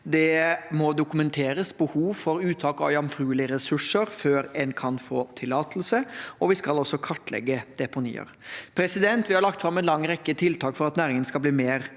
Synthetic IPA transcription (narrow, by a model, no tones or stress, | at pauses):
d̪ɛmɔd̪ʊkʉmɛnt̪ʰeːɾəsbəhuːʋfɔɾʉːt̪ʰɑːkɑ̰ʋjɑmfɾʉːlɪəɾɛsʉʂəɾføːɾɛnkʰɑnfoːt̪ʰɪlːɑːt̪ʰl̩səɔʋɪskɑlɔsːɔkʰɑʈːlɛ̰ɡːəd̪̥ɛpʊnḭːə̰ɾpʰɾɛsɪd̪ɛnt̪ʋɪhɑɾɭɑkt̪fɾɑmːɛnlɑŋːɾɛkːət̪ʰɪlt̪ʰɑːkfɔɾɑt̪næːɾɪŋənskɑlbliːmeːɾ